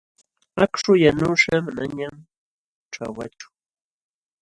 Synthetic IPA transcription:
akʂʊjanʊʂamanaɲam | ʈ͡ʂa̰wa̰t͡ʃʊ̥

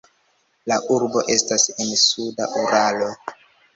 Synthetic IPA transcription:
laʔuɾbo̞ʔe̞stase̞nsuda̰ʔuɾalo̞

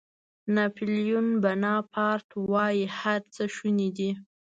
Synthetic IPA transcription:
nɑpiljunbanɑpʰɑɾt̪wɑjihaɾt͡səʃunid̪i

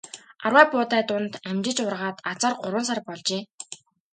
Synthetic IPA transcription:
arwæːpʊːt̪æːt̪ʊnt̪æmt͡ɕɪ̆t͡ɕʊrʁaːt̪at͡sɔ̆ːrɢʊɾwə̆nsarpɔɮt͡ɕeː

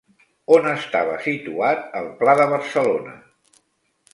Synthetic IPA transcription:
onəst̪aβə̰sit̪uat̪əlˠplaðəβ̞əɾsəlonə̰

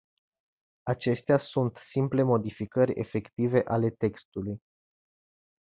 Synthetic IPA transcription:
at͡ʃe̞st̪easunt̪simple̞mo̞d̪ifikəɾʲe̞̰fe̞kt̪ive̞ʔale̞t̪e̞kst̪uluj

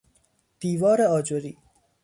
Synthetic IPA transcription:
d̪̥iːvɒːɾeɒːd͡ʒoɾiː

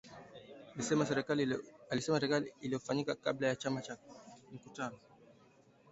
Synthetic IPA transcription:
ɛmasɛɾɛalisɛmasɛɾɛkaliːlijɔfaɲikakablajat͡ʃamat͡ʃam̩kutanɔ

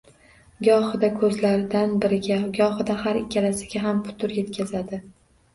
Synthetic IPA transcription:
ɡʲɒχɨd̪akʰɵzlaɾɪd̪anbɪɾɪɡʲaɡʲɒχɨd̪ahaɾɪkʲʰːalasɪɡʲaɦampʰʊ̥t̪ʰʊɾje̞t̪kʲʰazad̪ɪ

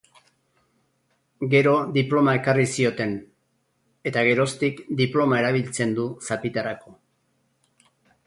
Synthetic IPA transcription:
ɡe̞ɾo̞ðiplo̞mae̞karisio̞t̪e̞n | e̞t̪aɣ̞e̞ɾo̞st̪ikd̪iplo̞mae̞ɾaβ̞ilt͡se̞nd̪usapit̪arako̞

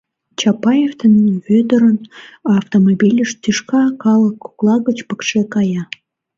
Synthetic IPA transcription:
t͡ɕɑpɑjeft̪ənnβød̪ə̆ɾənɑːft̪omobilʲəʃt̪yʃkɑkɑləkːu̥klɑɣət͡ɕpə̥kʃekɑjɑ

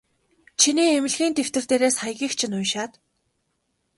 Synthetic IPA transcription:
t͡ɕʰiniːemɪ̆ɮɣiːnt̪ew̥t̪ɘ̆r̥t̪eːɾeːsχajɣʲiːxt͡ɕʰɪ̆nʊjʃaːt̪

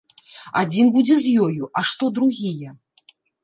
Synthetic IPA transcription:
ad͡zʲinbud͡zʲɛzʲjɔjuʔɐʂt̪ɔd̪ɾuɣʲijɛ

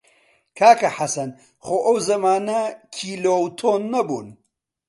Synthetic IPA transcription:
kʰaːkɐħɐsɐn | xoːʔɐwzɐmaːnɐkʰiːloːwt̪ʰoːnːɐbṵːn

